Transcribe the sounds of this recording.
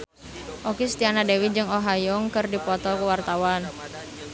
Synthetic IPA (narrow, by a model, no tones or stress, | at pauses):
ʔokist̪ianadewid͡ʒɨŋoɦajɔŋkɨrdipɔt̪ɔkuwart̪awan